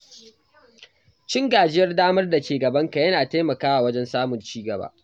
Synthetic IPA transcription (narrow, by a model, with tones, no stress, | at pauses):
t͡ʃɪ˦ŋɡaː˨d͡ʒɪ˦jɐ˦rdaː˦mɐ˦rda˨kʲeː˨ɡɐ˨bɐ˦ŋka˨jɐ˦naː˨teː˦mɐ˨kaː˦wa˨wɐ˦d͡ʒɛ˦nsaː˦mʊ˨nt͡ʃiː˦ɡɐ˨ba̰ː˦ʔ